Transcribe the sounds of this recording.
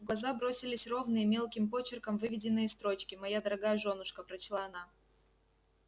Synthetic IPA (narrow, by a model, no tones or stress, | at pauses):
ɡlˠɐzabɾo̞sʲɪlʲɪsʲro̞vnɨjəmʲe̞lˠkʲɪmpo̞t͡ɕɪrkəmvɨvʲɪdʲɪnːɨjəst̪ɾo̞t͡ɕkʲɪmɐjad̪əɾɐɡajəʐo̞nːʊʂkəpɾɐt͡ɕlˠaɐna